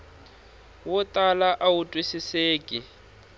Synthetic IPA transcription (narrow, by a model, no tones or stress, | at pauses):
wʊtʼalaʔawutʼwisiseːkʼi